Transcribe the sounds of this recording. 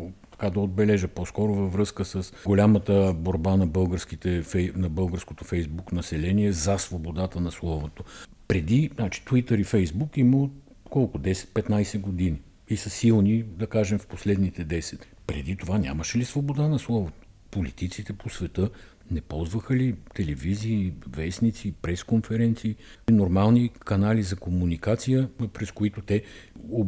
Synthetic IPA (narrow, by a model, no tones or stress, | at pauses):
t̪ɐ̥kad̪ɐod̪̚bɛlɛʒəposkɔɾʊvɐvɾɤskəsəsɡolʲamət̪əboɾbanɐbɤlˠɡəɾskit̪ɛfɛnɐbɤlˠɡəɾskot̪ofɛjzbuknɐsɛlɛniɛzɐsvobod̪at̪ənɐslˠɔvot̪o | pɾɛd̪inat͡ʃi̥t̪uit̪əɾifɛjzbukiməo | kɔlˠkʊd̪ɛsɛ̥t̪̚pɛt̪najsɛɡod̪ini | isɐsilˠnid̪ɐkaʒɛmfposlɛd̪nit̪ɛd̪ɛsɛt̪ | pɾɛ̰d̪it̪ovanʲa̰məʃɛlisvobod̪anɐslˠɔvot̪o̥ | polit̪it̪sit̪ɛposvɛt̪ɤ | nɛpɔlˠzvəxəlit̪ɛlɛviziːvɛsnit̪sipɾɛskonfɛɾɛnt̪siːnoɾmalˠnikɐnalizɐkomunikat̪sijəpɾɛskoit̪ʊt̪ɛo